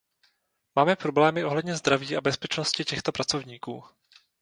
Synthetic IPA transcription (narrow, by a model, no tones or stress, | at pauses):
maːmɛpɾoblɛːmɪʔo̞ɦlɛdɲɛzd̪ɾaviːʔabɛspɛt͡ʃnoscɪcɛxt̪o̞pɾat͡so̞vɲiːkuː